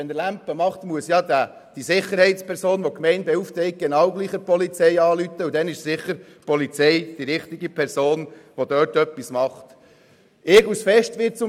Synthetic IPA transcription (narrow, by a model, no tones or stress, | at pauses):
ɛnəlæmpːəmɑχt̪muəsjɑd̪æ | d̥isɪχːəɾhɛɪtspʰɛɾsoːnʋokmɛɪnbɛuft̪ɛɪk̚ɡ̥enɑwɡliːχəpɔlit͡sɛɪɑːlyt̪əud̥̪ɛnɪʃsɪχəɾ | pʰɔlit͡sɛjd̥iɾɪχt̪iɡipʰɛɾsoːnʋod̥̪øːtœpːismɑχt̪ | ɪːɡusfɛʃtʋɪːt͡sʊ